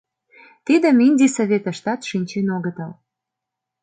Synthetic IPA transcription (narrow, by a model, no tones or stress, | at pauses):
t̪id̪ə̆minʲd̪ʲisoβʲet̪ə̆ʃt̪ɑt̪ʃinʲt͡ɕenoɣət̪əl